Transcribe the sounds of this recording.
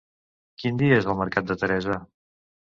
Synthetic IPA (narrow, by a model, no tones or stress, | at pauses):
kind̪iəezəlˠməɾkat̪̚d̪ət̪əɾɛzə